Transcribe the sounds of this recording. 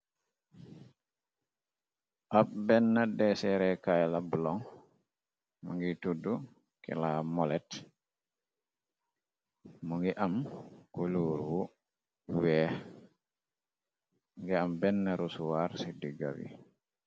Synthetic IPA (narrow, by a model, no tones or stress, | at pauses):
ʔabbɛnːadɛsɛɾɛkajlabulɔŋ | muŋɡitudu | kɛ̰lamɔlɛt | muŋɡɛʔamkoluɾwu | wɛ | ŋɡɛambɛnːaɾusuwaɾsidiɡa̰wḭ